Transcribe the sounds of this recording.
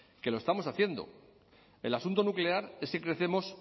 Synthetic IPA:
ke̞lo̞est̪amo̞saθje̞nd̪o̞̰ | e̞̰lasunt̪o̞nukle̞aɾe̞skekɾe̞θe̞mo̞s

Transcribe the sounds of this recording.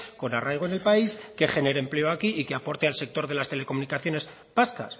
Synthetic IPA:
ko̞narajɣ̞o̞ene̞lpaiske̞χe̞ne̞ɾeemple̞o̞akiʔike̞apo̞ɾt̪e̞alse̞k̚t̪o̞ɾðe̞last̪e̞le̞ko̞munikaθjo̞ne̞s | paska̰s

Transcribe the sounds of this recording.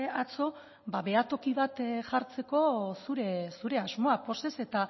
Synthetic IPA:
at͡so̞ | baβe̞at̪o̞kiβat̪ʝaɾt͡se̞ko̞suɾesuɾe̞azmo̞apo̞se̞se̞t̪a

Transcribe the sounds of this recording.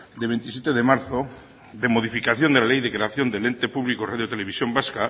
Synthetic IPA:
d̪eβent̪isjet̪eðemaɾθo | ðemoðifikaθjond̪ealejðekɾeaθjond̪elent̪epuβlikoraðjot̪eleβisjombaska

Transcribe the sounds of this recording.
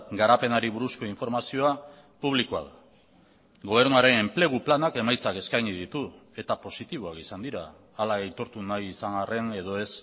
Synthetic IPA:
ɡaɾape̞naɾiβuɾusko̞iɱfo̞ɾmasio̞a | puβ̞likoaða | ɡo̞β̞e̞ɾnuaɾe̞ne̞mple̞ɣ̞uplanake̞majt͡sake̞skajɲiðit̪ue̞t̪apo̞sit̪iβ̞oakisand̪iɾa̰ː | laɣejt̪o̞ɾt̪unajisaŋɡare̞ne̞ðo̞e̞s

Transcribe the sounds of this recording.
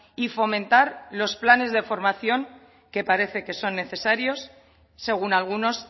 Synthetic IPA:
ifo̞mẽ̞nt̪aɾlo̞splane̞zðe̞fo̞ɾmaθjo̞ŋ | ke̞paɾe̞θe̞ke̞so̞nːe̞θe̞saɾjo̞sː | e̞ɣ̞unalɣ̞uno̞s

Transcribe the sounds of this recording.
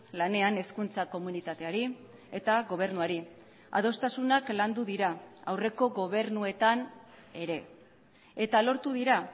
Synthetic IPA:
lane̞ane̞skunt͡sako̞munit̪at̪e̞aɾi | e̞t̪aɣo̞β̞e̞ɾnuaɾi | a̰ð̞o̞st̪asunakland̪uðiɾaawre̞ko̞ɣo̞β̞e̞ɾnue̞t̪an | e̞ɾe̞ | et̪alo̞ɾt̪uðiɾa

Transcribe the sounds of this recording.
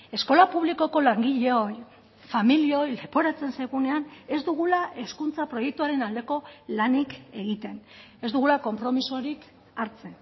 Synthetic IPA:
e̞sko̞lapuβliko̞ko̞laŋɡiʎe̞o̞j | familio̞jle̞po̞ɾat͡se̞nsajɣune̞ane̞zd̪uɣulaʔe̞skunt͡sapɾo̞je̞k̚t̪uaɾe̞nald̪e̞ko̞lanike̞ɣ̞it̪e̞ne̞zd̪uɣ̞ulako̞mpɾo̞miso̞ɾik | aɾt͡se̞

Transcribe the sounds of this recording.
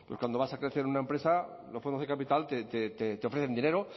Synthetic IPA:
pweskwand̪oβasakɾeθe̞ɾunaempɾe̞sa | lo̞sfod̪oðekapit̪alt̪et̪et̪et̪eo̞fɾeθe̞nd̪ine̞ɾo

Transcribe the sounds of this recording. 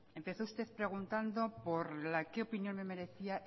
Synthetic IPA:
e̞mpe̞θo̞ust̪eðpɾe̞ɣ̞unt̪and̪o̞po̞ɾlake̞o̞pinjo̞nme̞me̞ɾe̞θia

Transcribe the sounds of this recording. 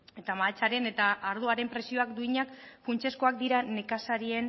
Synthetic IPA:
e̞t̪amaet͡saɾe̞ne̞t̪aʔːɾð̞uaɾe̞mpɾe̞sio̞akd̪uiɲakfunt͡ʃe̞sko̞ak̚d̪iɾane̞kasaɾie̞n

